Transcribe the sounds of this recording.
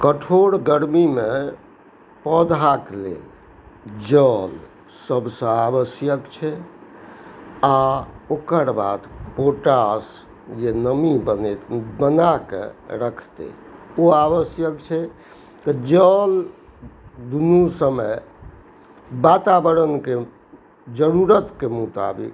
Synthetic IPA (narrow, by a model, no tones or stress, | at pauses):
kəʈʰoɽɡəɾmime | pɔd̪ʱaklḛl | d͡ʒəl | səbʱsə̃aβəsjəkt͡ʃʰɛ | aokəɾba̰d̪poʈas | d͡ʒenəmibənet̪bənakḛɾəkʰt̪ḛ | oabəsjəkt͡ʃʰɛ | t̪əd͡ʒəl | d̪unusəməj | bat̪abəɾənke | d͡ʒəɾuɾət̪kemut̪a̰bḭk